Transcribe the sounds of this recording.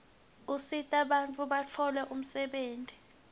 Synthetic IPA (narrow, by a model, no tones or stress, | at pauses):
usitʼaɓant͡fʼuɓat͡fʰɔlɛʔum̩sɛɓeːntʼi